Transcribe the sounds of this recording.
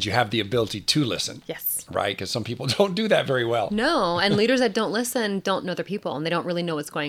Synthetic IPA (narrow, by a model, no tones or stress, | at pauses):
d͡ʒjɨɨvðiɨbɪlˠəɾitʰɨlɪ̰sɨ̃njɛsɹa̰ɪt̚kʰʌz̥sʌ̃mpʰipl̩ˠdõʊ̃nd̥ɨðɨtvɛɹiwɛ̰lˠnoʊɨ̃nliɾə˞zðɨt̚d̥õʊ̃nʔˡlɪsɨ̃ndõʊ̃nːoʊðə˞pʰipl̩ˠnðeɪɾõʊ̃nʔɹɪlˠinoʊwʌtsɡ̥oʊɪ̃